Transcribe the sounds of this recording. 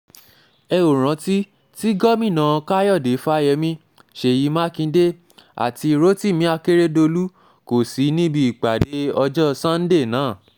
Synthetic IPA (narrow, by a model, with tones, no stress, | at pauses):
ɛ˧o˨ɾ̃ã˨˦ti˦ | ti˦ɡɔ˦mĩ˦˨nã˨˧ka˦jɔ˦˨de˨˦fa˦˧jɛ˧mĩ˧˦ | ʃe˨ji˨˧˦mã˦kĩ˧˦de˦ | a̰˨ti˧ɾo˦ti˦˨mĩ˨˦a˧ke˦ɾe˦do˧lu˦ | ko˨si˨˦nĩ˦bi˧i˨k͡pa˨de˨˦ɔ˧d͡ʒɔ˦sã˦n̩˦de˦˨nãː˨˦˨